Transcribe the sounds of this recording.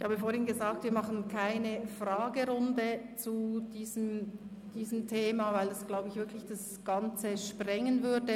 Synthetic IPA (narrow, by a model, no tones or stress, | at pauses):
ɪçhaːbəfoːɐhɪŋnɡəzaːk̚tviːɐmaχn̩kʰaɪnəfʁaːɡəʁʊndət͡sud̥iːzəm | d̥iːzəm̩tʰeːmavaɪldasɡ̥laʊbəɪçvɪɐkʰlɪçd̥as | ɡ̥ant͡səʃpʁɛŋənvʏɐdə